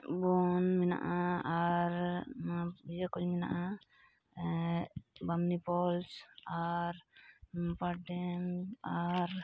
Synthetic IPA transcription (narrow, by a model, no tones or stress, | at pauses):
bɔnmɛna̰ʔaaɾ | bd͡ʒakɔlmɛna̰ʔa | bamnipɔlsaɾ | paɖɛmaɾ